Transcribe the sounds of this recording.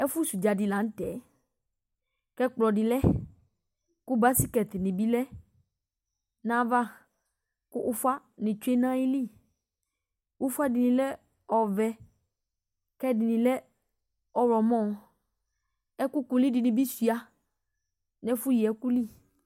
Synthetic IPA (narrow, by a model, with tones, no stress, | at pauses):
ɛ˦fu˦su˨d͡ʒa˨dɪ˨la˨˦n̩˦t̪ɛ˨ | kɛ˦k͡plɔ˨ɖɪ˨lɛ˦ | ku˦ba˦si˦kɛ˨t̪nɪ̃˨bi˦lɛ˦ | nã˦va˦ | kʊ˦ʔʊ˦fa˦ | nɪ̃˨t͡ʃu˦e˦nã˦i˦li˦˨ | wu˦fu˦a˦dɪ˨nĩ˨lɛ˦ | ɔ˨vɛ˦ | kɛ˦dɪ˨nĩ˨lɛ˦ | ɔ˨wɾɔ˨mɔ̃˦˨ | ɛ˦ku˦ku˨li˦dɪ˨nɪ̃˨bi˦si˨a˦ | nɛ˦fu˦ji˨ɛ˦ku˦li˦˨